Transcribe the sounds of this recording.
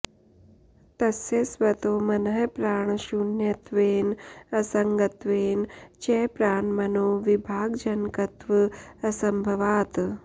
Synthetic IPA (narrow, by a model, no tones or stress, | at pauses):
t̪ɐsjesʋɐt̪oːmɐnɐɦɐpɾaːɳʃunjɐt̪ʋeːnɐsɐŋɡɐt̪ʋeːnt͡ʃeːpɾaːɳmɐnoːʋibʱaːɡd͡ʒɐnkɐt̪ʋɨɐsɐmbʱɐʋaːt̪